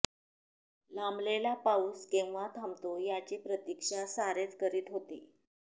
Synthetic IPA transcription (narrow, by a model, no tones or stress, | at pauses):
lamblelapauskẽwʋat̪ʰamt̪ojat͡ɕiːpɾət̪ikʂasaɾet̪kəɾiːt̪ɦot̪ḭ